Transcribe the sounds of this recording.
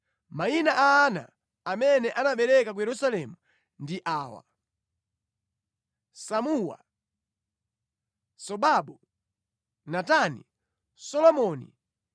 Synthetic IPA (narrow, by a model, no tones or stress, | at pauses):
mainaʔaːna̰ː | mɛnɛʔanaɓɛɾɛkak̬ujɛɾusalɛmu | ndiʔaːwa̰ | samuwa̰ | sɔɓaɓu | natanḭ | sɔlɔmɔnḭ